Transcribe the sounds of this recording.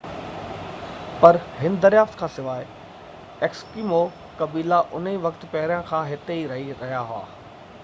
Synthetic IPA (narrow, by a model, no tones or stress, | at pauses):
pɐɾɦɪnd̪ɐɾjaːft̪kʰãːsɪʋaːɪ | ekskiːmo | kɐbiːlaʔʊn̤iʋɐkt̪̆pɐɦɾijãkʰãːɦɪt̪eiɾɐɦiɾɐɦijaɦʊa̰ː